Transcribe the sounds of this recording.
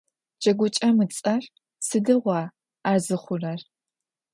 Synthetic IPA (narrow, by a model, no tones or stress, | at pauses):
d͡ʒɐɡʷʊt͡ʃʼɐmɨt͡sʼɐr | sɨdɨʁʷɑː | aːzɨχʷʊrɐr